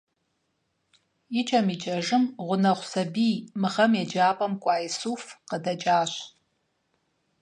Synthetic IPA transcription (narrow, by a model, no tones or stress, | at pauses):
ɪt͡ʃʼɐmit͡ʃʼɐʐɨmʁʷʊnɐʁʷsɐbiːmɨχɐmjɛd͡ʒaːpʼɐmkʷʼɑːjsuːfqədɐd͡ʒʼaːɕ